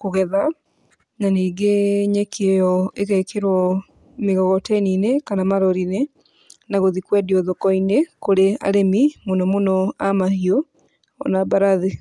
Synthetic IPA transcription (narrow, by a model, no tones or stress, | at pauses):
koɣɛða | naniːɡeɲɛkejɔekɛkeɾwɔ | meɣɔɣɔtɛninekanamaɾɔɾine | naɣoðikwɛdiɔðɔkɔinekoɾea̰ɾemimonɔmonɔamahiɔ | ɔ̰nabaɾaðe